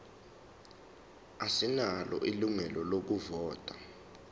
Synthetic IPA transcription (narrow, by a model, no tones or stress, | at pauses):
asinalɔ̰ʔiluŋɛlɔlok̬uvɔːtʼa